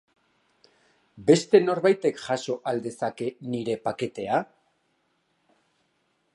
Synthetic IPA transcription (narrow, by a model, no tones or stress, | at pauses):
be̞st̪e̞no̞ɾβajt̪e̞kʝaso̞ʔald̪e̞sake̞niɾe̞pake̞t̪e̞a